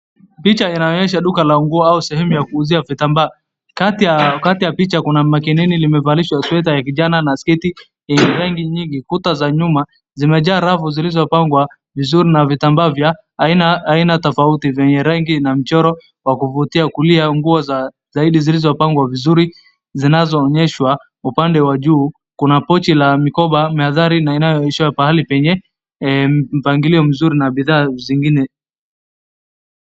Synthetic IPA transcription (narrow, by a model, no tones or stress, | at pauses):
pit͡ʃainaɔɲɛʃaɗukalaŋɡuɔausɛhɛmujakuːziavitambaː | katiakatijapit͡ʃakunamakinɛnilimɛvaliʃwaswɛt̬ajakiʄananaskɛti | jɛɲɛɾaŋɡiɲiŋɡikutazaɲuma | zimɛʄaːɾavuzilizɔpaŋɡwa | vizuɾinavitambaːvja | inaːinatɔfautivɛɲɛɾaŋɡinam̩t͡ʃɔɾɔ | wakuvutiakuliaŋɡuɔza | zaiɗizilizɔpaŋɡwavizuɾi | zinazɔːɲɛʃwa | upandɛwaʄuː | kunapɔt͡ʃilamikɔɓamɛaðaɾinainajɔiʃiapahalipɛɲɛ | m̩paŋɡiliɔm̩zuɾinaɓiðaːziŋɡinɛ